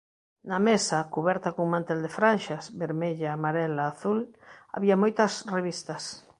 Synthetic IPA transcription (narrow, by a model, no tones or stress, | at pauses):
nɐmesɐkuβɛɾt̪ɐkoŋmãnt̪eld̪efɾanʃasbeɾmeʎaːmaɾɛlaːθula̰βiamojt̪ɐsreβist̪ɐs